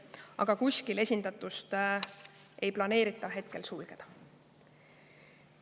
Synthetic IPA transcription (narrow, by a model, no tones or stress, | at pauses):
ɑ̰ɡ̥ɑkusʲkile̞sʲind̪̥ɑt̪ːˑust̪ | ʔe̞jplɑne̞ːɾit̪ˑːɑɦe̞t̪̚ke̞lsulɡ̥ed̪̥ɑ